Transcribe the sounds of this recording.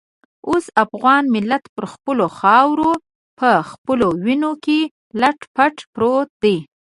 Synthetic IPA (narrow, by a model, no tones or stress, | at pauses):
osafɣɑnmɪlːat̪pəɾxpəloxɑwɾo | pəxpəlowinoke | laʈpaʈpɾot̪̚d̪e